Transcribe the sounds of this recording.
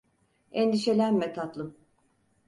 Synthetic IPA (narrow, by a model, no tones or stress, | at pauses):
end̪iʃe̞lʲænmɛt̪ʰat̪lˠɯm